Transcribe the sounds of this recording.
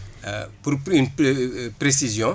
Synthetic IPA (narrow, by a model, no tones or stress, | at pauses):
puɾpynpɾesizjɔ̃